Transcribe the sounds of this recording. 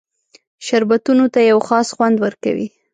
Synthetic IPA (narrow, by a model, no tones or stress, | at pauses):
ʃaɾbat̪unot̪ajawxɑsxwand̪wəɾka̰wḭ